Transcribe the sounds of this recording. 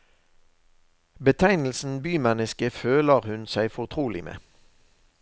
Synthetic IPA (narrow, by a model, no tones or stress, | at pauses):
bət̪ʰæɪnl̩sn̩byːmɛnəskəføːləʁhʉnsæɪfɔʁt̪ʰʁuːlɪmʔḛː